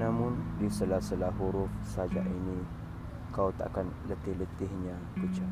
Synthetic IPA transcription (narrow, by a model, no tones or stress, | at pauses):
namʊndisəlasəlaɦuɾufsad͡ʒa̰ʔini | kawt̪a̰kanlət̪ɪhlət̪ɪhɲa | kut͡ʃa